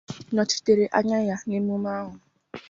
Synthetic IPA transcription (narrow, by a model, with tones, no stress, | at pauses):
nɔ˨ti̥˨te˨ɾe˨ʔa˦ɲa˦ja˦ne˦mu˦ma˦ɦʊ˨